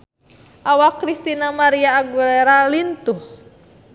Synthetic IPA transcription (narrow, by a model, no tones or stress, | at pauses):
ʔawakɾist̪inamaɾiaːɡuleɾalint̪uh